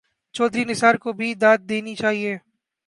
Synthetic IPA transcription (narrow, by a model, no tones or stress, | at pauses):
t͡ʃɔːd̪ʱɾinɪsaːɾkobʱid̪aːt̪̚d̪eːnit͡ʃaːɦieː